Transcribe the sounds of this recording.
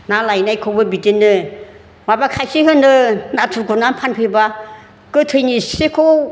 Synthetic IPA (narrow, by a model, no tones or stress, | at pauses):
nalajnajkʰɔwbɯbitinːɯ | mabakʰajsiɦɯnɯnatʰuɾɡɔnapʰanpʰeba | kɯtʰɯjnisekʰo